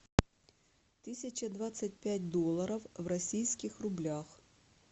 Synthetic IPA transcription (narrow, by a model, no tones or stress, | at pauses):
t̪ɨsʲɪt͡ɕəd̪vat̪sɨt̚ʲpʲætʲd̪olˠːəɾəfvrɐsʲijskʲɪxrʊblʲax